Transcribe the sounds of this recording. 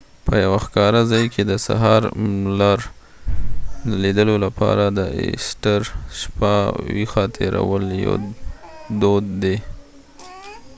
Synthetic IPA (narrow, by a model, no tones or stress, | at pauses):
pəjawaxkɑɾazɑjkʰed̪əsa̰ɦɑɾlɑɾ | d̪əlid̪əlolapʰɑ̰ɾad̪əɪ̰sʈəɾʃpawixɑt̪ʰeɾa̰wəljo̰ | d̪od̪ːe